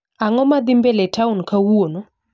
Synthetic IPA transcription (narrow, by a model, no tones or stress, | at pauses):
aŋɔmad̪ɪmbeletaunkawono